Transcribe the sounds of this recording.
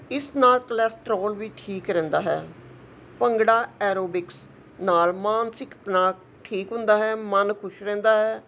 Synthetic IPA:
ɪsnaːlkəlɛːsʈɾoːlʋiːʈʰiːkɾɛ̃ːnd̪aːɦɛ̰ː | pəŋɡɽaːɛːɾoːbɪks | naːlmaːnsɪkt̪naːk | ʈʰiːkɦʊ̃nd̪aːɦɛːmənkʰʊʃɾɛ̃ːnd̪aːɦɛː

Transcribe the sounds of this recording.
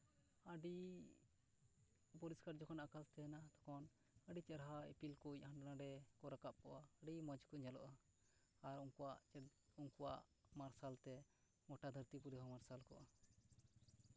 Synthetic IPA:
əɖi | pɔɾiskaɾd͡ʒɔkɔnakalt̪ɛnat̪ɔ̥kɔn | əɖit͡ʃɛɾɦaɛpilkuɲhaɳɖnãɖɛkɔɾakap̚kɔʔaːɖimɔd͡ʒkɔɲalɔ̰ʔaː | ɾuŋkuwaʔuŋkuwaʔmaɾsalt̪ɛ | ɡɔʈad̪ʱəɾt̪ipuɾiɦɔmaɾsalkɔʔa

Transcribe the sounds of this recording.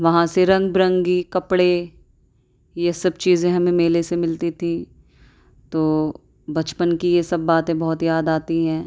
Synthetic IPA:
ʋɐɦãseɾɐ̃ŋɡ̚bɾɐ̃ŋɡikɐpɽe | jesɐbt͡ʃiːzẽɦɐmẽmeːlesemɪlt̪it̪ʰĩ | t̪oː | bɐt͡ʃpənkijesɐbːaːt̪ẽbɐɦʊt̪jaːd̪aːt̪iɦɛ̃ː

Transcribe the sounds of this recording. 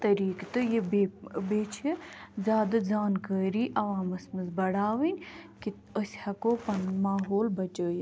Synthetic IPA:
t̪ɐɾiːkt̪ɨjibeːbeːt͡ʃʰizʲjaːd̪ɐd͡zaːnkəːɾiːʔɐʋãːmɐsmɐzbɐɽaːʋinʲki | osʲhɐkoːpɐnmaːɦoːlbɐt͡ʃəːj

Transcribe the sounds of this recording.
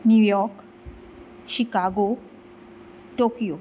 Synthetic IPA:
nujɔɾk | ʃikaɡo | ʈokio

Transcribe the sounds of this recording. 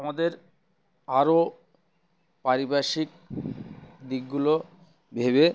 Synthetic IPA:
amad̪eɾ | aɾo | paɾibaʃik | d̪ikɡulo | bʱeβe

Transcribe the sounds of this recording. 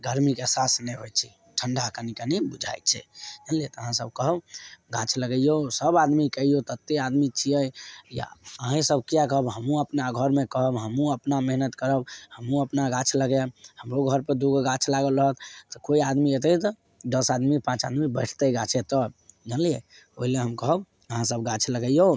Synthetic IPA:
ɡəɾmikeɛsasnɛɦojt͡ʃʰɛ | ʈʰəɳɖʱakənikənibud͡ʒʱa̰jt͡ʃʰɛ̰d͡ʒənlijet̪əɦãsəb̚kəɦəbɡat͡ʃʰləɡəjjosəbad̪mikəijot̪ət̪ːead̪mit͡ʃʰijəjja̰əɦɛ̃səb̚kijakəɦəbɦəmũəpnaɡʱəɾmekəɦəbɦəmũəpnameɦnət̪kəɾəbhəmũəpnaɡat͡ʃʰləɡehəmɾoɡʱəɾpəd̪uɡɡat͡ʃʰlaɡəlɾəɦət̪t̪ɔkoiad̪miet̪ət̪ɔ | d̪əsad̪mipãt͡ʃa̰d̪mibəɪʈʰt̪əɡat͡ʃʰet̪ɔd͡ʒanlie | oɦileɦəmkəɦəb | əɦãsəbɡat͡ʃʰləɡəjo

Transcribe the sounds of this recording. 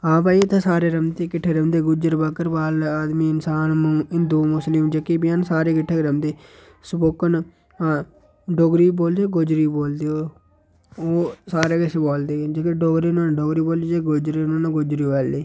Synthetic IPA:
ãːpaːit̪ʰeːsaːɾeːɾəmt̪eːkɪʈʰːeːɾəmd̪eːɡʊd͡ʒəɾbəkːəɾbaːlaːd̪miːɪnsaːnmũːɪnd̪uːmʊslɪmd͡ʒekiːbɪjaːnsaːɾeːkɪʈʰːeːɾəmd̪eː | spoːkːənː | ɖoɡɾiːboːld̪eoɡod͡ʒɾiːboːld̪eoː | oːsaːɾeːkɪseːboːld̪eːd͡ʒekeɖoːɡɾiːnõːnɖoːɡɾiːboːld̪id͡ʒeːɡod͡ʒɾiːnoːnaɡʊd͡ʒɾiːʋɛːlliː

